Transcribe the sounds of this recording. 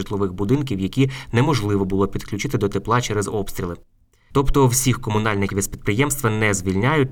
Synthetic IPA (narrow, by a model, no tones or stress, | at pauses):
ɨt̪lˠɔʋɪxbʊd̪ɪnk̬ʲiwjɐkʲinɛmɔʒlˠɪʋɔbʊlˠɔpʲid̪klʲʊt͡ʃɪt̪ɪd̪ɔt̪eplˠɑt͡ʃɛɾɛzɔpst̪ɾʲilˠɪ | t̪ɔpt̪ɔwsʲixkɔmʊnɑlʲnɪkʲiʋispʲid̪̚pɾɪjɛmst̪ʋɐnɛzʲʋʲilʲnʲajʊt̚ʲ